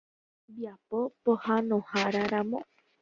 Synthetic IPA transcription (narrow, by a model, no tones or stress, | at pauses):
biapopohanõhaɾaɾãmõ̰